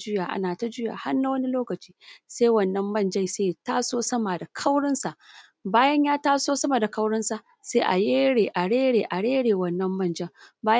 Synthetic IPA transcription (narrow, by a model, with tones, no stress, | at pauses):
d͡ʒʊ˦jaː˨ʔa̰˦naː˨ta˦d͡ʒɪ˦ja̰ː˨ha˦nːa˦wɐ˦ni˦loː˦kɐ˨t͡ʃiː˦seː˦wɐ˨nːɐ˦mːɐ˦˨nd͡ʒɐ˦jseː˦taː˦soː˦sɐ˦ma˨da˨kʰa˦wɽɪ˦nsa˨ʔ | baː˦jɐ˦ɲjaː˦taː˦soː˦sɐ˦ma˨da˨kɐ˦wɽɪ˦nsa˨ʔ | seː˦ʔa̰˨jeː˦ɽeː˨ʔa˨ɽeː˦ɽeː˨ʔa˨ɽeː˦ɽeː˨wɐ˦nːɐ˦mːɐ˦˨nd͡ʒɐ˦ŋbaː˦j